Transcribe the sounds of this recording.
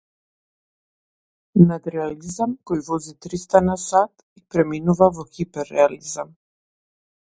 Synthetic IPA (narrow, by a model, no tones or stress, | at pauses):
nad̪ɾɛalizamkɔjvɔzit̪ɾist̪anasat̪ | ipɾɛminuvavɔxipɛɾːɛalizam